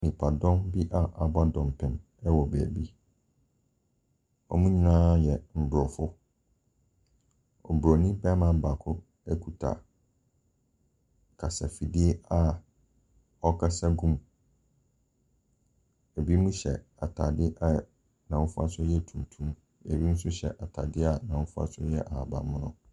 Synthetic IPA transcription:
nɪ̃˨pʰa˨dɔ̃˦mbi˦ʔa˨ʔa˨ba˦dɔ̃˨m˨pʰɪ̃˨m | ɛ˦wɔ˨bæ̰˨bi˦ | ɔ̰˦mũ˦ɲĩ˨nãː˦jɛ˨m̩˨bɾɔ˨fʊ˦ | ɔ̰˨bɾɔ˨nĩ˦bɛ˦mã˨˦˨ba˨kʰʊ˦ | ɛ˦kʰu˨tʰa̰˨ | kʰa˨sa˨fi˨di˦e˦a˦ | ɔ˦kʰa˦sa˦ɡũ˦m | æ˨bi˦mũ˦ɕɛ̰˨ | a˨tʰa˨dɪ˦ʔa˨ | nã˨wʊ̃˦fʊ˦a˦sʊ˦jɛ˦˨tʰũ˨m˨tʰũ˦m | ɛ˨bi˦n̩˦sʊ˦ɕɛ̰˨ʔa˨tʰa̰˨dɪ˦a˨nã˨wʊ̃˦fʊ˦a̰˦sʊ˦jɛ˦ʔa˨a˨ba̰˨mʊ̃˦nʊ̰̃˦

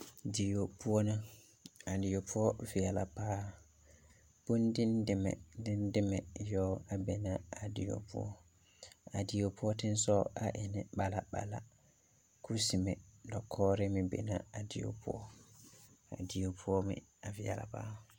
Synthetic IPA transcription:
di˨jo˨pu˦ɔ˦na˦ | a˨di˨jo˨pʰu˦ɔ˦vi˨a˨la˨paː˦ | b̥o˦ndi˦ndɪ˦mɛ̰˨dɪ˦ndɪ˦mɛ˨jɔː˦a˨bɛ˨nã˨a˨di˨jo̰˨pṵ˦ɔ˦ | a˨di˨jo˨pu˦ɔ˦tɪ̃˦n˦sɔ˦a̰˨ʔɪ˨nɪ˨ba˨la˨ba̰˨la̰˨ | kʰu˦si˨mɛ˨dɔ˨kʰːɔː˦ɾɪ˦mɪ̃˨bɛ̰˨nã˨a˨di˨jo̰˨pʰṵ˦ɔ˦ | a̰˨di˨jo˨pʰu˦ɔ˦mɪ̰̃˦a˨vi˨a̰˨la̰˨pa̰ː˦

